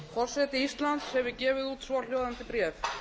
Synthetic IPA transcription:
fʰɔr̥sɛːt̪ɪist̪lant̪shɛvɪcɛːvɪðuːt̪sval̥joːwðant̪ɪpɾɛːf

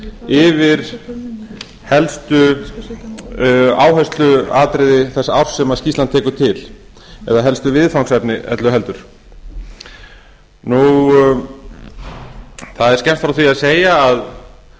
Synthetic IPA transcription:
ɪvɪɾ̥ | hɛlst̪ʏ | aːwɦœst̪lʏaːt̪ɾɪðɪθɛsaawɾ̥sːɛmaðscist̪lant̪ʰɛːkʏ̥t̪ʰɪl | ɛðaɦɛlst̪ʏvɪðfawŋsɛpnɪʔɛ̰t̪lʏɦɛlt̪ʏɾ̥ | nu | θaðɛɾ̥scɛm̥t̪fɾawθviaðseːjaːð

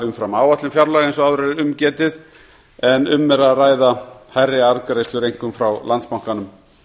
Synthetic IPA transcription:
ʏmfɾamaːwat̪lʏmfjaɾlaːɣejnsɔaðɾɛɾʏmcɛːt̪ɪð | ɛnʏmːɛɾaðraːjðahajrːɪaɾkɾejst̪ʏɾejŋ̥kʏmfɾawlant̪spawŋ̥kanʏm

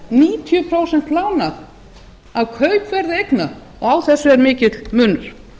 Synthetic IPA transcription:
niːt̪ʰjʏpʰɾoːwsɛn̥t̪laːwnað | avkʰœːɥpvɛɾðɪejkna | ɔɣawθɛsːʏɛɾmɪːcɪt̪lmʏːnʏɾ̥

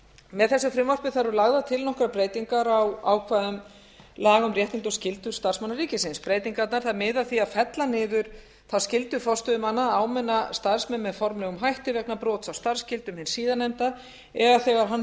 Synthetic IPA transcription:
mɛðθɛsʏfɾɪmvɔr̥pɪθaɾʏlaɣðat̪ʰɪlnɔhkɾapɾeːjt̪iŋkaɾawa̰wkʰvaːðʏm | laːɣʏmrjɛht̪iŋt̪ʏscɪlt̪ʏɾst̪aɾ̥smanːaɾriːcɪsɪnspɾeːjt̪iŋkat̪naɾ̥θaðmɪːðaθiaðfɛt̪lanɪːðʏɾ̥ | θascɪlt̪ʏfɔst̪ʏðʏmanːaaːwmɛnːast̪aɾ̥smɛnmɛðfɔɾmlɛɣʏmɦajht̪ʏvɛknapɾɔːt̪sawst̪aɾ̥scɪlt̪ʏmhɪnsiːðanːɛmt̪a | ɛɣaθɛɣaɾ̥ɦan

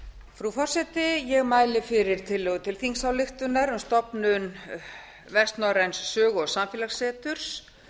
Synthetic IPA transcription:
fɾufɔr̥sɛt̪ɪjɛɣmaːjlɪfɪɾɪɾ̥t̪ʰɪlːɛːɣʏt̪ʰɪlθiŋsawlɪxt̪ʏnaɾʏmst̪ɔpnʏn | vɛst̪nɔɾɛnsːœːɣɔsamfɪːlḁsɛːt̪ʏɾ̥s

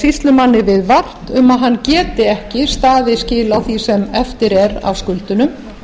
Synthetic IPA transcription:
sist̪lʏmanːɪvɪðvar̥t̪ʏmaðɦanːcɛːt̪ɪɛhcɪst̪aːðɪscɪːlawθisɛmɛft̪ɪɾɛɾa̰wskʏlt̪ʏnʏm

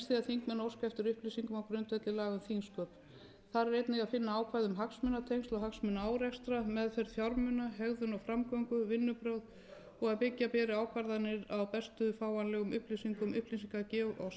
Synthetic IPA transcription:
st̪θiaðθiŋkmɛnaowskaɛft̪ʏɾʏhplisiŋkʏmawkɾʏnt̪ɛt̪lɪlaːɣʏmθiŋskœːp̪ | θaɾɛɾejt̪nɪɣaðfɪnːaaːwkʰvajðʏmɦaksmʏnat̪ʰejŋst̪lɔhaksmʏnaaːwɾɛkst̪ɾamɛðfɛɾθjawɾmʏnaɦɛɣðʏnɔwfɾamkɔŋkʏvɪnːʏpɾœwð | ɔɣaðpɪcːapɛːɾɪaːwkʰvaɾðanːɪɾawpɛst̪ʏfaːwanlɛːɣʏmʏhplisiŋkʏmʏhplisiŋkacɛːɔs

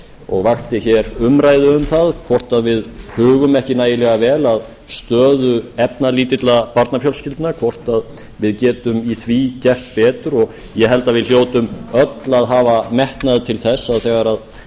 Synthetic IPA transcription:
ɔ̰ɣvaxt̪ɪçɛɾʏmɾaːjðʏʏmθaðkʰvɔr̥t̪aðvɪðhʏːɣʏmɛhcɪnaːjɪlɛɣavɛːlað | st̪œːðʏɛpnaliːt̪ɪt̪lapaɾt̪nafjɔlscɪlt̪nakʰvɔr̥t̪að | vɪðcɛːt̪ʏmiθʰviːcɛr̥t̪̚pɛːt̪ʏɾɔɣ | jɛɦɛlt̪aðvɪðl̥joːwt̪ʏmœt̪laðɦaːvamɛht̪naðt̪ʰɪlθɛsːaðθɛɣaɾað

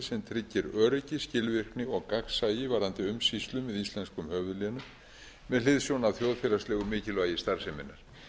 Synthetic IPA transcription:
sɛmt̪ʰɾɪcːɪɾœːɾɪcɪscɪlvɪr̥knɪɔɣkaksaːjɪvaːɾant̪ɪʏmsist̪lʏmvɛðist̪lɛnskʏmhœːvʏðlɛːnʏ | mɛðlɪðsjownawθjowðfɛːlast̪lɛːɣʏmɪːcɪlœajɪst̪aɾ̥sɛmɪnːaɾ̥

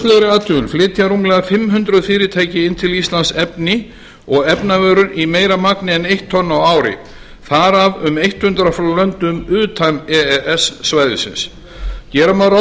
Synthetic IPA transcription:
lɛɾɪaːt̪ʰʏʏnflɪːt̪ʰiaɾuːmlɛɣafɪmɦʏnt̪ɾʏðfiːɾɪt̪ʰeːjcɪɪnt̪ʰɪlist̪lansɛpnɪ | ɔɣɛpnavœːɾʏnʔimeːjɾamaknɪɛnejht̪ʰːɔnːawaːwɾɪ̰ | θaɾavʏmejht̪hʏnt̪ɾafloːlœnt̪ʏmʏːt̪ʰamɛɛʔɛsːvaːjðɪ̰sɪ̰ns | cɛːɾamaɾa

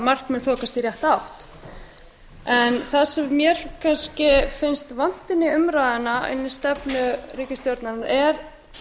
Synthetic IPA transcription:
mar̥knmɛðθɔːkast̪irjɛht̪awht̪ | ɛnθasɛmːjɛɾ̥kʰanscɪfɪnst̪van̥t̪ɪnːɪʏmɾaːðanaɪ̰nːɪ̥st̪ɛpnʏriːcast̪jowɾt̪nanaɾɛɾ

